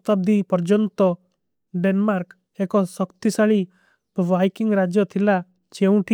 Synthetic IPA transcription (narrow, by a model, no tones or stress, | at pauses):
t̪ab̚d̪ipɔɾd͡ʒɔnt̪ɔ | ɖenmaɾk | ekɔsɔkt̪isaɭi | bajkiŋɾad͡ʒjɔt̪ʰila | t͡ʃeũʈi